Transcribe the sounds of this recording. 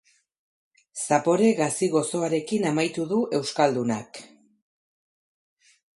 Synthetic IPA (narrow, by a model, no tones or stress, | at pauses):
sapo̞ɾe̞ɣasiɣo̞so̞aɾe̞kinamajt̪uðuʔe̞wskald̪unak